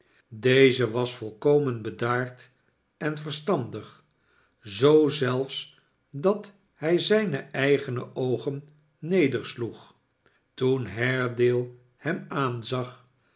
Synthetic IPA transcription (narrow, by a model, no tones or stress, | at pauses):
dejzəʋɑsfɔlˠkowmənbədaːɹt | ɛnvərstɑndəχ | zowzɛlˠfs | dɑt | hɛjzɛjnəɛjχənə̰ʔowχənː | ejdəɹsluχ | tunɦɛɹdɪːlˠ | hɛmaːnzɑχ